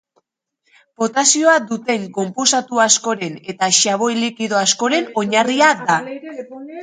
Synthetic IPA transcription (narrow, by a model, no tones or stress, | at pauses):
b̥o̞t̪asio̞ad̪ut̪e̞ŋko̞mpo̞sat̪uasko̞ɾe̞ne̞t̪aʃaβ̞o̞jlikiðo̞asko̞ɾe̞no̞ɲariad̪a